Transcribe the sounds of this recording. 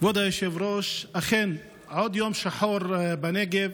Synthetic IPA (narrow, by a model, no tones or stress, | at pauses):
vod̪ajeʃevɾoʃaχen | ʕod̪jomʃaħoɾbaneɡev